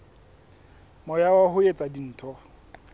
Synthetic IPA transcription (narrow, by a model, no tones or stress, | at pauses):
mɔjawahʊet͡sʼadin̩ːtʰɔ